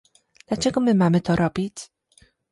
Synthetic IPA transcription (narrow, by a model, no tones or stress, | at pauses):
d̪̥lat͡ʂɛɡɔmɘmamɘt̪ʰɔɾʔɔbʲit͡ɕ